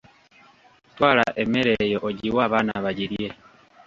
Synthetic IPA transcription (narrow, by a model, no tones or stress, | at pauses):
twaːlaʔemeɾejoʔoɟiwaβanaβaɟiɾje